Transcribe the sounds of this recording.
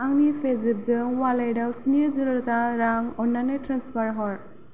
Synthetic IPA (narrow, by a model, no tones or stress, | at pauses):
aŋnipʰezip̚zɯŋwalajdawsinezɯɾɯɾzaɾaŋɔnːanetɾanspʰaɾɦɔɾ